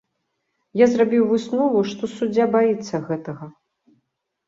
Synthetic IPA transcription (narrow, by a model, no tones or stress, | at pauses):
jazrabʲiwvɨsnɔvuʂt̪ɔsud͡zʲːabajit̪sːɐɣɛt̪ɐɣɐ